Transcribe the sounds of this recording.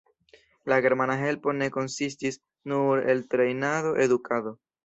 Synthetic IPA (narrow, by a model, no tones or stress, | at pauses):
laɡe̞ɾmanaɦe̞lpo̞ne̞ko̞nsistis | nuɾeltɾe̞jnaðo̞ʔe̞d̪ukʰado̞